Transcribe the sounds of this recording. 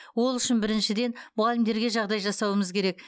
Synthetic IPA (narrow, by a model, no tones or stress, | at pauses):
wo̞lˠʏʃɪnbɪɾɪnʃɪd̪e̞nmʊʁalʲɪmd̪e̞ɾɡʲe̞ʒɑʁd̪ɑjʒɑsɑwəməzkʲʰe̞ɾe̞k̚